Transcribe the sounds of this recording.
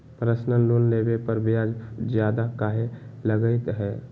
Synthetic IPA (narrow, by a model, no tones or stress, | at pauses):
pɾəsnəloːnleːbepəɾbjad͡ʒd͡ʒjaːd̪akaːɦeləɡəɪt̪ɦɛː